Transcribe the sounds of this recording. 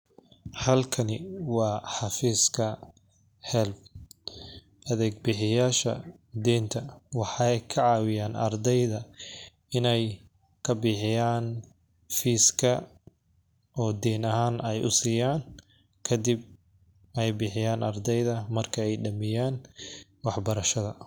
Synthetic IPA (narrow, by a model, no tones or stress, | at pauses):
hɐlkʰɐnɪwɑːħɑfiːskʰɐ | hɛlb | ʔɐðɛːɡ̚bɪħɪjaːʃɐ̰ | d̪ɛːnt̪ʰɐwɑħɑjkʰɐʕɑːwɪjaːnʔɐ̰rd̪ɛjðɐ | ɪnɛj | kʰɐbɪːħɪjaːn | fiːskʰɐ | ʔɔːd̪ɛːnɐhaːnɛjʔʊ̰sɪjaːn | kʰɐd̪ib̚ | ɛjbɪːħɪjaːnʔɐrd̪ɛjðɐmɐrkʰɐɛjɖɐmɪjaːn | wɑħbɐɾɐʃɐðɐ